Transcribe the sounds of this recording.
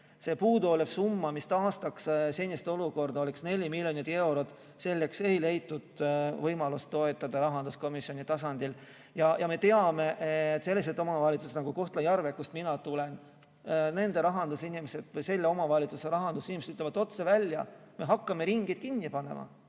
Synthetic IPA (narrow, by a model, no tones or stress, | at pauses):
se̞puːd̪uolefsumːɑmist̪ɑːst̪ɑksse̞nʲist̪eoluko̞rd̪̥ɑoleksne̞lʲimilʲjo̞nid̪e̞wɾo̞t̪ | se̞lːe̞kse̞jle̞jt̪ːˑud̪̥vɤjmɑlust̪ːo̞e̞t̪ːˑɑd̪̥ɑɾɑɦɑnd̪usko̞misjio̞nit̪ɑsɑnd̪̥il | jɑjʔɑme̞t̪e̞ɑme̞ʔːt̪ːˑse̞lːis̬et̪ːˑo̞mɑvɑlʲit̪suset̪nɑɡ̥uko̞ht̪lɑjɑrve̞kːust̪minɑt̪ule̞n | ne̞nd̪e̞ɾɑɦɑnd̪usinimese̞d̪vɤjse̞lːeo̞mɑvɑlʲit̪suseɾɑɦɑnd̪usinimet̪yt̪levɑt̪ːo̞t̪se̞vælʲːjɑ̰ | me̞ɦɑkːɑme̞ɾiŋɡ̥it̪̚kinʲːipɑne̞̰mɑ̰